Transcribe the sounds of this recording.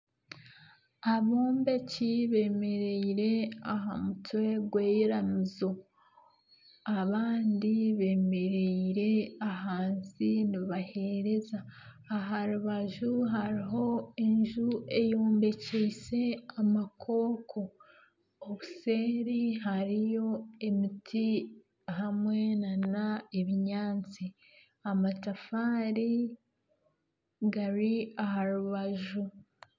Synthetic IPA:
aβoːmbe̞ciβe̞ːme̞ɾeiɾe̞aɦa̰mutwe̞ɡweːjeɾamizo | aβaːndiβe̞ːme̞ɾeiɾe̞aɦaːnziniβahe̞ɾe̞zaː | ɦaɾuβaʒuɦaɾiɦo̞e̞ɲʒue̞jo̞ːmbe̞cese̞amakʰo̞ːkʰo̞ː | βuse̞ːɾiɦaɾijo̞emitʰi | ɦamwe̞nanaeβiɲaːnt͡si | amatafaːɾi | ɡaɾiaɦaɾuβaʒu

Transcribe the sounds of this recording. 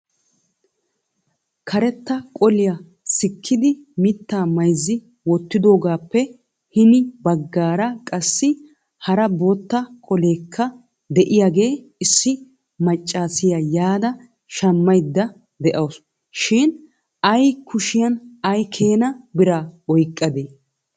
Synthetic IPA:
kʰɐɾɛt̪ːɐkʼɔlɪjɐ | sɪkʰːɪd̪ɪmɪt̪ːaːmɐjzːɪ | wɔt̪ːɪd̪o̞ːɡaːpːɛ | hɪnɪbɐɡːaːɾɐkʼɐsːɪ | hɐɾɐboːt̪ːɐkʼɔle̞ːkʰːɐ | d̪ɛʔɪjaɡe̞ː | ɪsːɪ | mɐt͡ʃʼːaːsɪjɐjaːd̪ɐ | ʃɐmːɐjd̪ːɐ | d̪ɛʔɐws | ʃɪːn | ɐjkʊʃɪjɐnɐjkʰe̞ːnɐbɪɾaɔjkʼːɐd̪eː

